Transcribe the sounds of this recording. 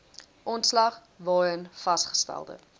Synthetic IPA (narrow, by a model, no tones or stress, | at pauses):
ʔɔntslɐχ | vɑːənfɐstχə̥stæ̰lˠdə̰